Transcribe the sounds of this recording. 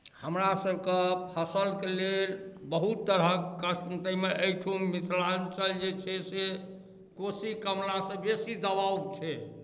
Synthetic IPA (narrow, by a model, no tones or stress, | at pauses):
həmɾasəbkepʰəsəlkelelbəɦut̪ːəɾəkːəsənt̪əmeʔəjʈʰumit̪lant͡ʃəld͡ʒet͡ʃʰɛse | kosikəmɾasə̃besid̪əbaubt͡ʃʰɛ